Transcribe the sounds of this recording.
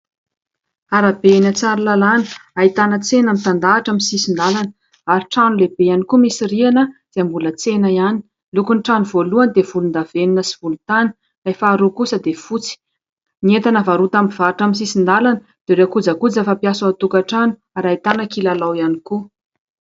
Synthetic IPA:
aɾabenat͡saɾulalanə̥ait̪anət͡senamit̪and̪aːʈ͡ʂamisisind̪alanə | aɾiʈ͡ʂanulebejanikumisirianəz̥eambulət͡senəiani | lukunʈ͡ʂanuvoluand̪ev̥ulund̪aveninəsiv̥ulut̪anə̥ | afaːɾukusəd̪efut͡si̥ | niet̪anəvaɾut̪amivaʈ͡ʂamis̬isind̪alanə | d̪̥eɾeakud͡zakud͡zafapiasuat̪ukaʈ͡ʂanu̥ | aɾait̪anəkilalawianiku

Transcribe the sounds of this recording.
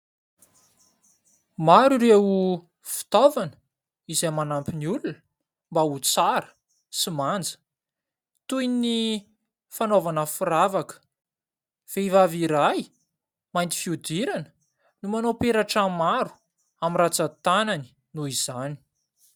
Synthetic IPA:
maɾuɾeu | fi̥t̪ovanə̥ | izemanampiniulunə | mbaut͡saɾə̥ | simand͡zə̥ | t̪ujni | fanovanəfuɾavakə̥ | v̥eivaviɾaj | majnt̪i̥fiud̪iɾanə̥ | numanopeɾaʈ͡ʂamaɾu̥ | amirat͡sat̪anani̥ | nuiz̥ani̥

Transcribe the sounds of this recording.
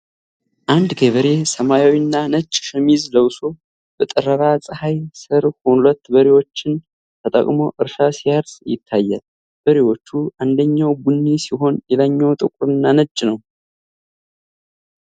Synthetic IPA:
ʔand̪ɡeβəɾe̞səmajawinːanət͡ʃʼːʃɛmizləwso | b̥ət̪ʼɨɾəɾasʼɨhajsɨɾhulət̪ːbəɾewo̞t͡ʃːɪn | t̪ʰət̪ʼə̰kʼmo̞ʔɨɾʃasijaɾsjɪ̰t̪ʰːajːa̰l | b̥əɾewo̞t͡ʃːuʔand̪əɲːawbunːisiɦo̞njɛlaɲːawt̪ʼɨkʼʊɾɨnːanət͡ʃʼːnəw

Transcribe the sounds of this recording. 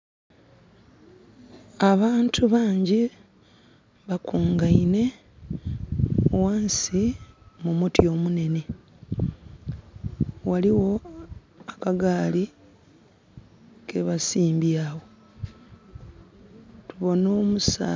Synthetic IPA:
aβaːntʰuβaːɲɟi | βakuːŋɡaine̞ | waːnsimumutio̞mune̞ne̞ | waliwo̞ | akaɡaːli | kʰe̞βasiːmbjaːwo | tuβo̞no̞ːmusa̰

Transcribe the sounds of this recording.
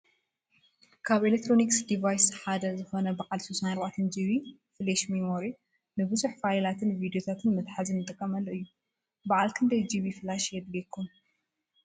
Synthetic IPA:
kʰaβelek̚t̪ʰɾo̞niksd̪ivajsħad̪ɐzɨxo̞nɐbɐʔʼalsusanaɾbaʕt̪ʰɐnd͡ʒiβifɨleʃmimoɾi | nɨbɨzuħfajlat̪ʰɨnvid̪jo̞t̪ʰat̪ʰɨnmɨt̪ħazɨnːɨt̪ʼɨkʼːɐmɐlʔɨjːu | baʕalkʰɨnd̪ɐjd͡ʒiβifɨlaʃjɛd̪lekʰːum

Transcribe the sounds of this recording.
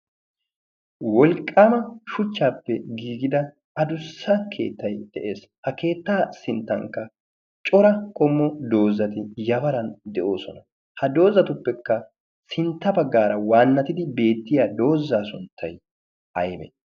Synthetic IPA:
wɔlkʼːaːmɐʃʊt͡ʃːaːpːɛɡiːɡɪd̪ɐ | ɐd̪ʊsːɐkʰe̞̰ːt̪ːɐjd̪̥ɛʔe̞ːs | hɐke̞ːt̪ːaːsɪnt̪ːɐ̰ŋkːɐ | t͡ʃʼɔɾɐkʼɔmːɔd̪o̞ːzːɐt̪ɪjɐbɐɾɐnd̪ɛʔo̞ːsɔnɐ | hɐd̪o̞ːzːɐt̪ʊpːɛkːɐ | sɪnt̪ːɐbɐɡːaːɾɐwaːnːɐt̪ɪd̪ɪbe̞ːt̪ːɪjaːd̪o̞ːzːaːsʊnt̪ʰːɐj | ɐjbɛ̰

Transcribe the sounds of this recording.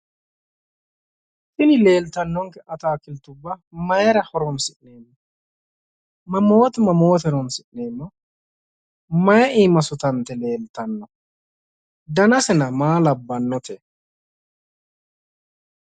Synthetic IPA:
fɪlɪle̞ːlt̪ɐnːɔŋkɛʔɐt̪aːkɪlt̪ʊbːɐmɐjɛɾɐhɔɾɔmsɪʔneːmːɔ | mɐmɔwɔt̪mɐmowɔt̪ɛɾɔmsɪʔneːmːɔ | mɐjɛʔiːmɐsʊt̪ɐnt̪ːɛle̞ːlt̪ɐnːɔ | d̪ɐnɐsɛnɐmaːlɐbːɐnːɔt̪ʰɛ

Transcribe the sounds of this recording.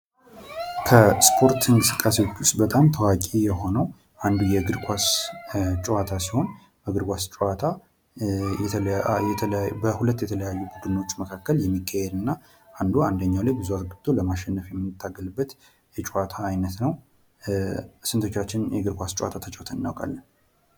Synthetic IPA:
kʰəspʰo̞ɾt̪ʰɨŋkʼɨsɨ̥kʼːasewt͡ʃːust̪bət̪ʼamt̪ʰəwakʼijɛɦo̞nəw | ʔand̪ujɛɡɨɾkʰʷʼas | t͡ʃʼɛwat̪ʰasiho̞n | bəɡɨɾɡʷast͡ʃʼwat̪ʰa | jɛt̪ʰəljɛt̪ʰəlabəhulət̪ːjɛt̪ʰələjajːubuɡ̪ɨnːo̞t͡ʃːməkʰakːəljɛmːikʰːahɛd̪ɨnːa | ʔand̪uand̪əɲːawlajbɨzuat̪ɡɨbd̪̥o̞ləmaʃɛnːəfjɛmːɨɨt̪ʰːaɡəlɨbːət̪ | jɛt͡ʃʼuwat̪ʰaːjnət̪nəw | sɨnt̪ʰot͡ʃːat͡ʃːɪnjɛɡɨɾkʷast͡ʃʼwa̰t̪ʰat̪ʰət͡ʃʼɛwt̪ʰəɨnːawkʼa̰lːən

